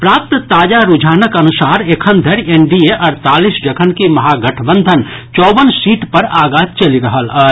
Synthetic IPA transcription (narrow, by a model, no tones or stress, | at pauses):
pɾaːp̚t̪t̪aːd͡ʒaɾud͡ʒʱaːnəkɐnʊsaːɾekʰənd̪ʱəɾenɖieʔɐɾt̪aːlisd͡ʒəkʰənkimɐɦaɡɐʈʰbə̃nd̪ʱənt͡ʃɔːbənsiːʈpəɾaːɡaːt̪̚t͡ʃɐliɾəɦələ